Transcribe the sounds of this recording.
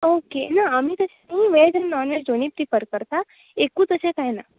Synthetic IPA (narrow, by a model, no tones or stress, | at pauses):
okenaəm̤iːt̪əsãɦĩʋed͡ʑənːɔnʋesd͡ʒonip̚t̪ipəɾkəɾt̪a | ekũːt̪əsãkaɦjna